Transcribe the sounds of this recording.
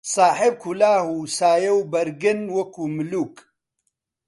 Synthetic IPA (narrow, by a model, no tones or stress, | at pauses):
saːħeb̚kʰulaːhusaːjɐwbɐɾɡɪnwɐkuːmʊluːk